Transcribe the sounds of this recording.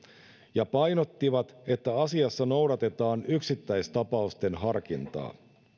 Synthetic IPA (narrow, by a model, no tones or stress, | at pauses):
jɑpɑjno̞t̪ːiʋɑt̪e̞t̪ːæɑsiɑsːɑno̞wɾɑt̪e̞t̪ɑːnyksit̪ːæjst̪ɑpɑust̪e̞nɦɑrkint̪ɑ̰ː